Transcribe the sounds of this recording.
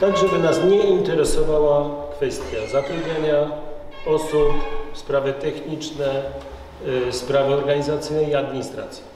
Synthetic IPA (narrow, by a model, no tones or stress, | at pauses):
t̪aɡʐɛbɘnasɲɛint̪ɛɾɛsɔvawakfɛst̪ʲjazat̪ɾɔbʲaɲa | ɔsupspɾavɘt̪ɛxɲit͡ʂnɛ | spɾavɘɔɾɡaɲizat̪sɘjnɛiad̪mʲiɲist̪ɾa̰t̪sʲji̥